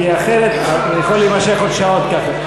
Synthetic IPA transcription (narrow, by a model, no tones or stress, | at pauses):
iaχeɾet̪a | jaχolimaʃeχod̪ʃaot̪̚kaχa